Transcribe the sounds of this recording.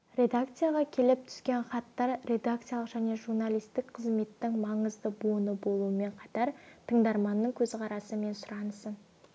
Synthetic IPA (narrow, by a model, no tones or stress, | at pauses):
ɾʲe̞d̪ak̚t̪sɨjaʁɑkʲʰe̞lɪp̚t̪ʰʏ̥skʲe̞nχɑt̪ːɑɾɾe̞d̪akt̪sɨjalˠəqʒ̥æne̞ʒuɾnalijst̪ɪkqʰəzme̞t̪ːɪŋmɑɴəzd̪əbonəbo̞lˠuəme̞ɴqʰɑt̪ɑɾt̪ʰəɴd̪ɑɾmɑnːəɴkʲʰɵzqʰɑɾɑsəme̞nsʊɾɑnəsən